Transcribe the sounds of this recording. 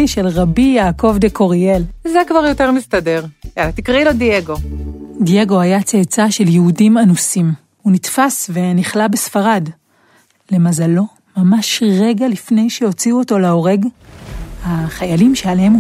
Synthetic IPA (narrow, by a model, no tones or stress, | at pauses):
iʃe̞lʁabijaːko̞vdekʰo̞ʁie̞lzekvaʁjo̞teʁmist̪ade̞ʁelat̪ikʁilodieɡo̞dije̞ɡo̞ajat͡seːt͡saʃe̞ljeudimanusim | hunitfasve̞niχlabesfaʁad | lemazalo̞ | mamaʃʁe̞ɡalifne̞jʃeho̞t͡siuoto̞leo̞ʁe̞ɡ | haχajalimʃealehem